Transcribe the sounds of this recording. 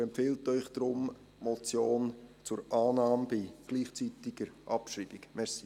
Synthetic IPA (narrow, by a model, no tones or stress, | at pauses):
ɛmpfɪltœʏχd̥ɾʊm | mɔt͡sjoːnt͡sʊɾɑːnɑːmbiɡ̥liːχt͡sitɪɡ̥əɾʔɑpʃriːb̥ɪkmɛɾsi